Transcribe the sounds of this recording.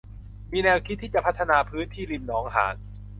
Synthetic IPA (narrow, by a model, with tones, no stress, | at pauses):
miː˧nɛː˧wkʰi˦˥t̪ʰːiː˥˩t͡ɕa˨˩pʰa˦˥t̪ʰːa˧naː˧pʰɯː˦˥nt̪ʰiː˥˩li˧mnɔː˩˦ŋɦa̰ː˩˦n